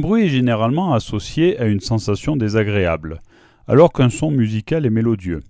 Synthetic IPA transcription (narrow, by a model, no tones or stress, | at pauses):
ɛ̃bʁɥiɛʒeneʁalmɑ̃asɔsjeaynsɑ̃sasjɔ̃d̪ezaɡʁeabl | a̰lɔʁkɛ̃sɔ̃myzikalɛmelod̪jø̰